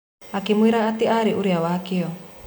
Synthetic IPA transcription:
akimuiɾaat̪iʔaɾiʔuɾiawaakiɔ

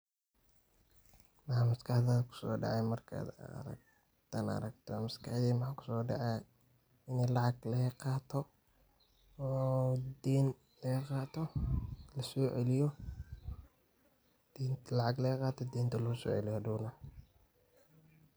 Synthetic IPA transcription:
mɐħamɐskʰaħd̪ɐdkʰʊ̥sɔ̰ːɖɑ̰ʕɛjmɐrkʰa̰d̪̰ɾɐ̰ɡ̚ | t̪ʰanɐ̰ɾɐɡt̪ʰɔmɐskʰaħd̪ɛːmɐħaːkʰʊ̥sɔːɖɑ̰ʕɛ | ɪnɛlɑʕɑɡlɐɛqɑːt̪ʰɔ | ɔːd̪ɛːn | lɛqɑːt̪ʰɔlɐsɔːʕɛlɪjɔ | d̪̥iːnt̪ʰlɑʕaɡlɛjqɑːt̪ʰɔd̪iːnt̪ʰɐlɐʊsɔ̰ːʕɛ̰lɪjɔd̪uːnɐ

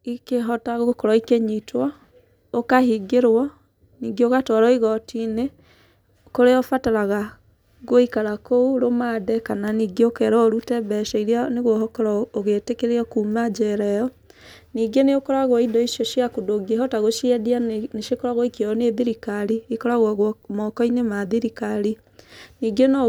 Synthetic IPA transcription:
ikeɦɔtaɣokɔɾɔikeɲitwɔ | okahiɡeɾwɔ | niɡeoɣatɔɾɔiɣɔtine | koɾeɔfataɾaɣa | ɣoikaɾakouɾomadɛkananiːɡeokɛɾɔɾutɛbɛʃɛiɾianeɣoɦɔkɔɾɔoɣetekeɾeɔkumad͡ʒɛɾɛjɔ | niːɡeneokɔɾaɣwɔidɔiʃjɔʃjakudoɡeɦɔtaɣoʃiɛdianeʃekoɾaɣwɔikeɔneðiɾikaɾiikɔɾaɣwɔɣmɔkɔinemaðiɾikaɾi | niːɡenɔ

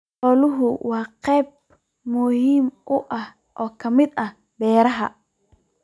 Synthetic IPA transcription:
ɔːlʊɦʊwɑːqɛjb̚ | mʊhiːmʔʊʔɐh | ʔɔːkʰɐmɪd̪ɐh | bɛːɾɐɦɐ

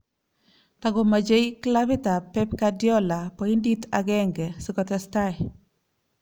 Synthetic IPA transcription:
taɡɔmad͡ʒejkilaβɪtapɛpkadjɔlapɔinditaɡɛŋɡɛsikɔtɛstaj

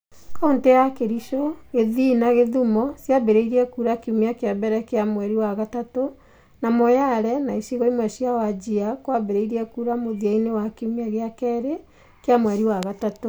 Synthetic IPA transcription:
kaontejakeɾiʃoɣeðinaɣeðumɔsjabeɾeiɾiɛkuːɾakeumiakeabɛɾɛkeamwɛɾiwaɣatato | namɔjaɾɛnaisiɣɔimwɛsjawad͡ʑiakwabeɾeiɾiɛkuɾamoðiainewakeumiaɣeakɛɾe | keamwɛɾiwaɣatato

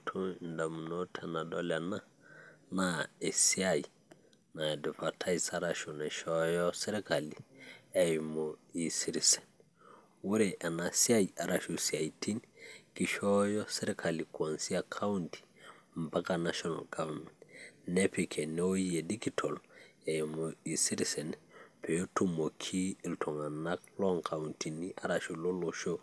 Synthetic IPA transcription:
tʰondamunɔtʰɛnadɔlana | naesiaji | nadɛpatʰaisaɾaʃunaʃɔjɔsɛɾɛkaliɛjmoisiɾisɛ̥n | wuɾeʔanasiajaɾaʃusiajtʰinkiʃɔjɔsɛɾekʰalikuansiakʰawnti̥mbakanaʃɔna̰lɡavamentnepekʰeneojiedikitʰolejmoisiɾisɛnpʰejotumokʰiiltʰoŋanak̚lɔŋkʰawuntiniʔaɾaʃuloloʃo

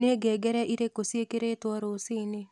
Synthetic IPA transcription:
neɡɛɡɛɾɛʔiɾekosiekeɾet̪wɔɾosɪnɪ

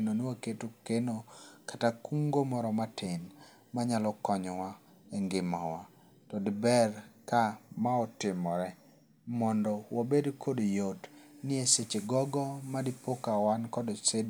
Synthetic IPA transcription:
nonwaketokenokḁtakuŋɡomɔɾɔmatʰɪn | maɲalɔkɔɲɔwa | eŋɡɪmawa | tɔdɪbɛrkamaɔtɪmɔɾɛ | mɔndɔwʔobedkʰodjotnɪeset͡ʃeɡɔɡɔmadɪpokawankɔdsed

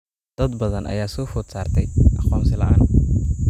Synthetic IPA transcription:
d̪̥ɐd̪bɐðɐnʔɐ̰jaːsɔːfɔd̪saːrt̪ʰɛjʔɑqɔːmsɪlɐ̰ʔaːn

